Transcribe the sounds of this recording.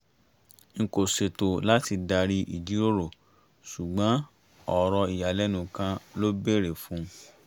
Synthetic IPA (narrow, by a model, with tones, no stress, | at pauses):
ŋ̩˨ko˨se˨to˨la˦ti˧da˧ɾi˧ʔḭ˨d͡ʒi˨˦ɾo˦ɾo˨ | su˨ɡ͡bã˨˦ | ɔ˨ɾɔ˧i˨ja˨lɛ˦nũ˨kã˧lo˦be˦˨ɾe˨fũ˨˦